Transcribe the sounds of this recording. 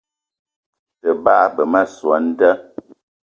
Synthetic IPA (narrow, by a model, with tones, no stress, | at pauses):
tə˨ba˦˨˦bə˨ma˦˨swa˨˦n̩˦tə˦